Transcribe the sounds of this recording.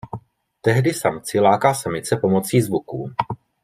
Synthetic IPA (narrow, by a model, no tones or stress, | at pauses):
t̪ɛɦdɪsamt͡sɪlaːkaːsamɪt͡sɛpo̞mo̞t͡siːzvukuː